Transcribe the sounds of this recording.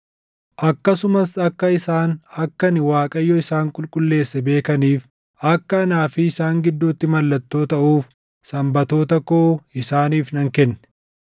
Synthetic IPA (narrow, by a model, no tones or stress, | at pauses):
ʔɐkːɐsʊmɐsɐkːɐɪsaːnɐkːɐnɪwaːkʼɐjːɔɪsaːŋkʼʊlkʼʊlːe̞ːsːɛbe̞ːkɐniːf | ɐkːɐɐnaːfɪːsaːŋɡɪd̪ːuːt̪ːɪmɐlːɐt̪ːo̞ːt̪ɐʔuːf | sɐmbɐt̪o̞ːt̪ɐkoːɪsaːniːfnɐŋkɛnːɛ̥